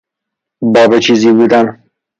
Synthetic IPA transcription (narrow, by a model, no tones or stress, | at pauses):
bɒːbet͡ʃʰiːziːbuːd̪æn